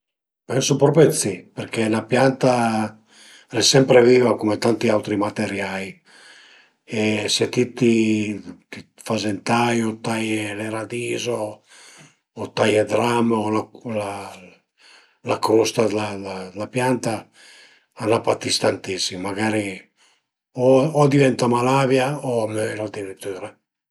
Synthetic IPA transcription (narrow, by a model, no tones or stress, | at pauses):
pɛnsupɾɔpet̪siperkʰelapjant̪a | ɾɛsːɛmpɾeviːvakomet̪ant̪iawt̪ɾimat̪eɾjaj | eset̪it̪ːi | k̪i | fazent̪ajot̪ajeleɾad̪iːzo | t̪ajed̪ɾamolala | lakɾust̪ad̪laad̪lapjant̪a | anapat̪ist̪ant̪isːimmaɡaːɾi | oɔd̪ivɛnt̪amalavjaoamøload̪iɾit̪ːyːɾa